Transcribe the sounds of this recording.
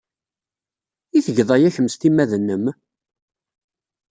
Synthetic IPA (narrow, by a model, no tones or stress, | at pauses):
iθəʝðˤɑjæçəmst̪imːæðənːəm